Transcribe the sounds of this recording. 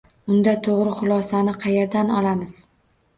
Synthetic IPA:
ʊnd̪at̪ʰoʁɾɪχʊlˠɒsanɪqʰɑjeɾd̪anɒ̰lamɪz̥

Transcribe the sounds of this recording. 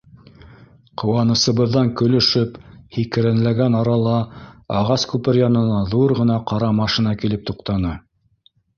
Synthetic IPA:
qŏwɑnɤ̆sɤ̆βɤ̆ðːɑŋkɵ̆lɵ̆ʃɵphikɘ̆ɾænlæɡænɑɾɑlˠɑɑʁɑskʉpɘɾjɑnɤ̆nɑðuɾʁɤ̆nɑqɑɾɑmɑʃinɑkilɘp̚t̪uqt̪ɑnɤ

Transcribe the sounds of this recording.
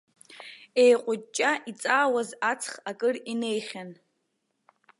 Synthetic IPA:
ejqʷʼʊt͡ʃʼːaʔit͡sʼaːwazat͡sʰχakʼɨrinejχʲan

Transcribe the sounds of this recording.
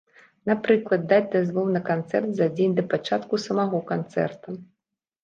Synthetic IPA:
napɾɨklˠɐd̪̚ːad͡zʲd̪azvɔwnɐkant̪sɛrt̪zad͡zʲenʲd̪ɐpat͡ʂat̪kusɐmaɣɔkant̪sɛ̰rt̪ɐ

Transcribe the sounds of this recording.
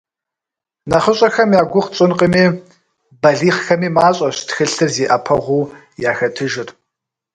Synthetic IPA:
nɐχəɕʼɐxɐmjaːɡʷʊqt͡sʼɪnqəmiː | bɐɮiːχxɐmiːmaːɕʼɐɕtxɨɬɨrzeːʔɐpʰɐʁʷuː | jaːxɐtʰɨʒɪr

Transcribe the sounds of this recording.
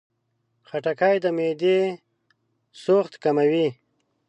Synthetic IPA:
xaʈakajd̪əmed̪e | soxt̪kamawi

